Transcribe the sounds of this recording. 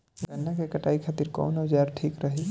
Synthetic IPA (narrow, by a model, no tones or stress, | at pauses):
ɡɐnːakekɐʈaːikʰaːt̪iɾkɔ̰ːnɔːd͡ʒaːɾʈʰiːkɾɐɦe